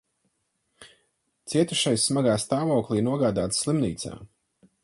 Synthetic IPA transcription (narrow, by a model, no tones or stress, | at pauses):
t̪siɛt̪uʃajsːmaɡaːst̪aːvɔwklˠiːnuɔɡaːd̪aːt̪ssʲlˠimniːt̪sa̰ː